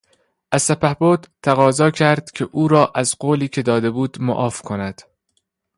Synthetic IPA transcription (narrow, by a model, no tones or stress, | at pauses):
ʔæz̥sæpæhboːd̪̥t̪ʰːæɣɒːzɒːcʰæɾd̪̥cʰeʔuːɾɒːʔæzɢoːliːkʰe̞d̪ɒːd̪e̞buːd̪mo̰ʔɒːfkʰonæd̪̥